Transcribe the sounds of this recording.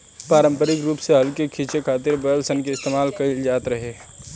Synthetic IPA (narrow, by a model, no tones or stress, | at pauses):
paːɾə̃mpəɾɪkɾuːpseɦɐlkekʰiːt͡ʃekʰaːt̪ɪɾbəlsənkeɪst̪eːmaːlkɐld͡ʒaːt̪ɾɐɦeː